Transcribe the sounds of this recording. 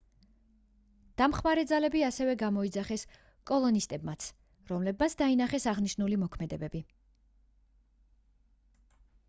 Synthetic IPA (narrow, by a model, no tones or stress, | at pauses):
d̪̥amχmaɾɛd̪zalɛbiasɛvɛɡamɔid̪zaχɛs | kʼɔlˠɔnist̪ʼɛbmat̪sʰ | ɾɔmlɛb̚mat̪sʰd̪ainaχɛsaʁniʃnulimɔkʰmɛd̪ɛbɛbi